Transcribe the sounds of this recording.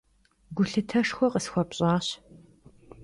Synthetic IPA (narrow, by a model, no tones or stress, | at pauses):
ɡʷʊɬɨtʰɐʂxʷɔqəsxʷɔpɕʼɑːɕ